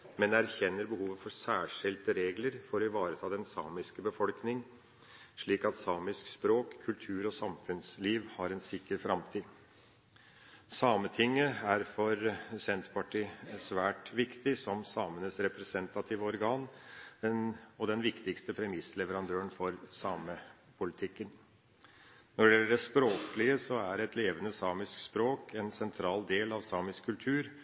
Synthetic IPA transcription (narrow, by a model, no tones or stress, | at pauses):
mɛnæɾçɛnːəɾbəhuːʋəfɔsæːʂɪlt̪əɾeːɡləɾfɔɾɔɪʋɑːɾət̪ʰɑːd̪ɛnsɑːmɪskəbəfɔlknɪŋ | ʂɭiːkɑt̪sɑːmɪskspɾoːkʰːʉlt̪ʰʉːɾɔsɑmfʉnsliːʋhɑɾɛnsɪkːəɾfɾɑmt̪ʰiː | sɑːmət̪ʰɪŋːəæɾfɔɾsɛnt̪pʰɑʈʰiːsʋæːʈʋɪkt̪ɪsɔmsɑːmənəsɾɛpɾɛsɛnt̪ɑt̪ʰiːʋəɔɾɡɑːnɛnɔd̪ɛnʋɪkt̪ɪkst̪əpʰɾɛmɪslɛʋəɾɑnd̪øːəɳfɔɾsɑːmə | pʰʊlɪt̪ʰɪkːən | nɔɖɛjɛlːəɖɛspɾoːklɪəsɔæɾɛt̪ʰleːʋənəsɑːmɪskspɾoːkʰɛnsɛnt̪ʰɾɑːld̪eːlɑʋsɑːmɪskkʰːʉlt̪ʰʉːɾ